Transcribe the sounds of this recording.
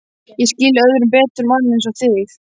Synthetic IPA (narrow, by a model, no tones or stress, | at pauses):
jɛscɪlːœðɾʏmpɛːt̪ʏɾmannɛnsɔθɪθ